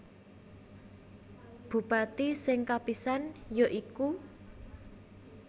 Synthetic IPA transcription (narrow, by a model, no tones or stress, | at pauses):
b̥ṳpat̪isɪŋkapisanjoʔiku